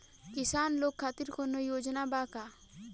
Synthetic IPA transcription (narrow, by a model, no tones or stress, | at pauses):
kisanlokʰːat̪iɾkʰonːojod͡ʒonabaka